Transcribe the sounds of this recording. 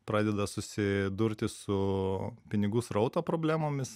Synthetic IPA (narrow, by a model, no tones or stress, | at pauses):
pɾɑːd̪ʲɛd̪ɐsʊsʲɪd̪ʊɾʲt̪ʲɪsʊpʲɪnʲɪɡʊsɾɐʊt̪opɾoːbʲlʲæːmoːmʲɪs